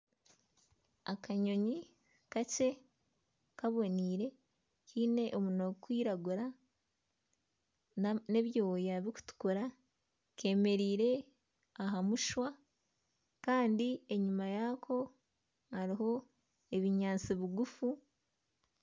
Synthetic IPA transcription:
akaɲo̞ɲi | kace̞ | kaβo̞niːɾe̞ | kʰiːne̞ʔomunoɡkwiːɾaɡuɾa | neβjo̞ːjaβiku̥tu̥kuɾa | ke̞ːme̞ɾiːɾe̞ | aɦamuʃwa | kaːndie̞ɲumajakʰo̞ | haɾiɦo̞ | e̞βiɲaːnt͡siβiɡufu

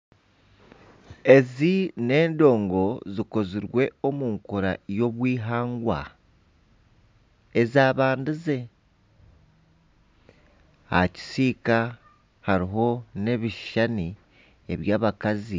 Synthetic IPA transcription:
e̞zine̞ːndo̞ːŋɡo̞ziko̞ziɾwe̞o̞muːŋkoɾa̰jo̞βwiːɦaːŋɡwa̰ | ezaːβaːndize̞ | a̰ci̥siːka | haɾiɦo̞ne̞βiʃani | e̞βjaːβakazi

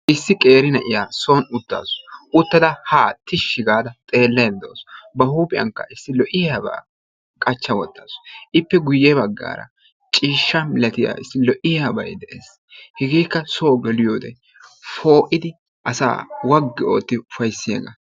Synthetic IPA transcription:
ʔɪsːɪkʼe̞ːɾɪnɐʔɪjaːso̞ːnʊt̪ːa̰ːsʊ̥ʊt̪ːɐd̪ɐhaːt̪ɪʃːɪɡaːd̪ɐt̪ʼe̞ːlːɐjɛld̪o̰ːsbɐhuːpʼɪjɐ̰ŋkːɐ̰ɪsːɪlɔʔɪɐba̰ː | kʼɐt͡ʃːɐwɔt̪ːaːsʊ̥ʔɪpːɛɡʊjːɛbɐɡːa̰ːɾɐ̰ | t͡ʃʼiːʃːɐnlɐt̪ɪja̰ɪsːɪlɔʔɪɐbɐ̰jd̪ɛʔeːs | hɛɡeːkːɐsoːɡɛlɪjoːd̪ɛ̰ | fo̞ːʔɪd̪ɪ | ʔɐsa̰ːwɐɡːɪo̞ːt̪ːɪʊfɐjsːɪjɐɡɐ

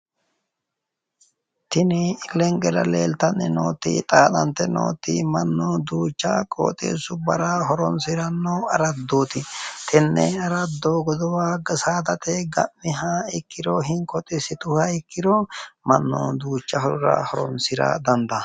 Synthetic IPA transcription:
t̪ɪnɪlɛŋɡɛɾɐleːlt̪ɐnːɪ̰no̰ːt̪ɪ̰t̪ʼaːt̪ɐnt̪ɛno̰ːt̪ɪmɐnːɔd̪uːt͡ʃːɐkʼo̰ːt̪ʼḛːsʊbɐɾɐɦɔɾɔnsɪɾɐnːɔɐɾɐd̪oːt̪ɪt̪ʰɛnːɛ̰ɐɾɐd̪ːoːɡɔd̪ɔwaːɡɐsaːd̪ɐt̪ɛɡɐ̰mːɪɦɐɪkːɪɾɔɦɪŋkʼɔt̪ʼɪsɪt̪ʊhɐɪkːɪɾɔmɐnːɔ̰ːd̪uːt͡ʃːɐhɔɾɾɐ̰hɔɾɔnsɪɾɐ̰d̪ɐnd̪ɐ

